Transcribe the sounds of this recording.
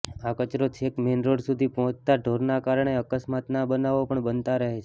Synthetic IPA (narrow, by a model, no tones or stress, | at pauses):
akət͡ʃɾot͡ʃʰekmenɾoɽsud̪ʱipɔɦɔ̃t͡ʃt̪aɖʱoɾnakaɾɳ̃eəkəsmat̪nabənaʋopəɳbənt̪aɾəɦet͡ʃʰ